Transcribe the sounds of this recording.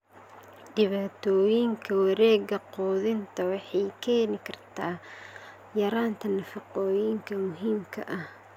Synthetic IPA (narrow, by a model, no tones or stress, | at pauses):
ɖɪβaːt̪ʰɔːjɪŋkʰɐwɐɾɛːɡɐqɔːðɪnt̪ʰɐwɑħɑjkʰɛːnɪkʰɐrt̪ʰaː | jɐɾaːnt̪ʰɐnɐfɑqɔːjɪŋkʰɐmʊɦiːmkʰɐ̰ʔɐh